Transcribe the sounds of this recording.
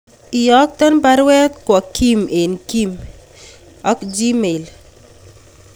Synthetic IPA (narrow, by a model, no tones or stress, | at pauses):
ijak̚t̪ɐnpɐɾwet̪kɔkimenkim | ɐkd͡ʒimejl